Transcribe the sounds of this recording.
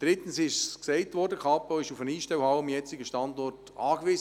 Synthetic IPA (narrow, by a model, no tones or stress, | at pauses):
d̥ɾɪtən̩sɪʃssksɛɪtvɔɾdəkʰɑpoɪʃufəniːʃtɛwhɑwəmjɛt͡sɪɡəʃtɑndɔrt | ɑːkʋɪːz